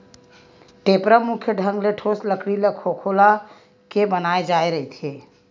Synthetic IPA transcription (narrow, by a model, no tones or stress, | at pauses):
ʈepɾəmukʰjəɖʱəŋɡleʈʰosləkɽilekʰokʰola | kebənaed͡ʒaeɾəɦit̪ʰie